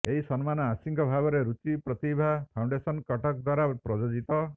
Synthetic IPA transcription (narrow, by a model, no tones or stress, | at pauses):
eɦisɔnmanɔasiŋkɔbʱaɡɔɾeɾut͡ʃipɾɔt̪ibʱapʰawɳɖesɔnkɔʈɔk̚d̪waɾapɾɔd͡ʒod͡ʒit̪ɔ